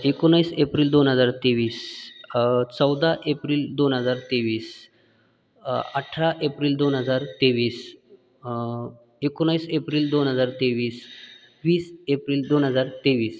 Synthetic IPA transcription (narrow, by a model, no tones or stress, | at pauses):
ekonaiːsepɾiːld̪onɦəd͡zaɾt̪eʋiːs | t͡səwd̪ʱaʔepɾiːld̪onɦəd͡zaɾt̪eʋiːs | aʈʰaʔepɾiːld̪onɦəd͡zaɾt̪eʋiːs | ekonaiːsepɾiːld̪onɦəd͡zaɾt̪eʋiːs | ʋiːsepɾiːld̪onɦəd͡zaɾt̪eʋiːs